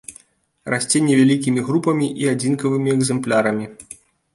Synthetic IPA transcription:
rasʲt͡sʲenʲɛvʲalʲikʲimʲiɣɾupɐmʲiʔiad͡zʲinkɐvɨmʲiɛɡzɛmplʲaɾɐmʲi

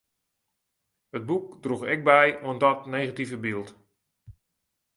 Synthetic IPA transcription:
həd̚buk̚druxɛk̚bɛjwəndɔtnejɣativəbilˠt

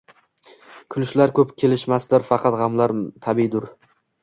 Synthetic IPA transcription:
kʲʰʊlɪʃlaɾkʲʰɵpkʲʰe̞lɪʃmasd̪ɪɾfɑqʰɑt̪ʁɑmlaɾt̪ʰabɪd̪ʊɾ

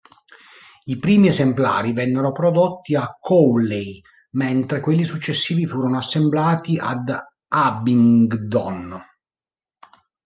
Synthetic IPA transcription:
ipɾiːmiezempla̰ːɾivɛnːeɾopɾod̪ot̪ːiakʰːɔwlej | ment̪ɾekwelːisut͡ʃːesːiːvifuːɾonoasːemblaːt̪iʔa̰d̪ | abiŋɡd̪ɔn

